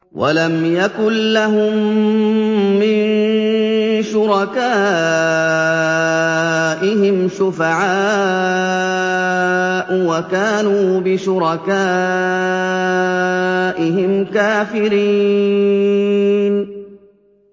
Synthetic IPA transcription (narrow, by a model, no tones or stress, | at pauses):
wʔa̰lamjakʊllaɦʊm | ɪn | ʃʊɾɑkaː | ʔɪɦɪmʃʊfaʕaː | ʔwakaːnuːbɪʃʊɾɑkaː | ʔɪɦɪmkaːfɪɾiː | n